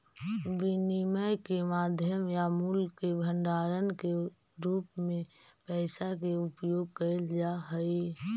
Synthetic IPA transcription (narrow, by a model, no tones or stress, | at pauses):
ʋɪniməjkemaːd̪ʱjəmjamuːlkːebʱə̃ɳɖaːɾənke | ɾuːpmẽ | pɛɪsakeʊpjoːɡ̚kəld͡ʒaɦəi